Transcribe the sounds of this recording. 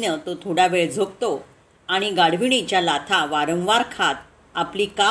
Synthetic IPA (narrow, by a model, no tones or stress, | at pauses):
nət̪ot̪ʰoɽaʋeɭd͡zʱok̚t̪o | aɽ̃iɡaɽ̤ʋiɳ̃it͡ɕjalat̪ʰaʋaɾə̃w̃ʋaɾkʰat̪̚ | apliːka